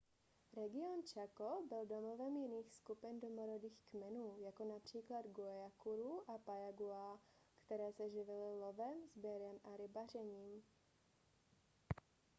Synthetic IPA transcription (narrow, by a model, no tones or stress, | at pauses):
ɾɛɡɪont͡ʃakobɪldomovɛmjɪniːxskupɪndomoɾodiːxkmɛnuːjako̞napr̝̥iːklad̪ɡuɛjakuɾuʔapajaɡua | kt̪ɛɾɛːsɛʒɪvɪlɪlovɛmzbjɛɾɛmʔaɾɪbar̝ɛɲiːm